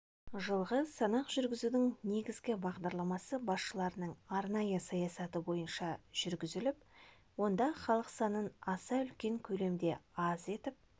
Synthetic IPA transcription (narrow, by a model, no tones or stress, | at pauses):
ʒəlˠʁəsɑnɑqʒ̥ʏɾɡʲɪzud̪ɪŋne̞ɡʲɪzɡʲɪbɑʁd̪ɑɾlˠɑmɑsəbɑsʃəlˠɑɾənəɴɑɾnɑjəsɑjɑsɑt̪əbo̞jənʃɑʒ̥ʏɾɡʲɪzɪlɪp | wo̞nd̪ɑχɑlˠəqsɑnənɑsɑʏlkʲe̞ŋkʲʰɵle̞md̪e̞ɑze̞t̪ɪp̚